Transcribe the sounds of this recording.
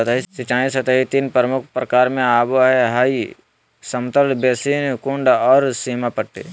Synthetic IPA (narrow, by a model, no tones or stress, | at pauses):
ət̪əɦisɪt͡ʃãːĩsət̪əɦit̪iːnpɾəmʊk̚ʰpɾəkaːɾmẽaːboɦɛɦaːi | səmt̪əlbeːsiːnkũɳɖɔːɾsiːmapəɽt̪ḛ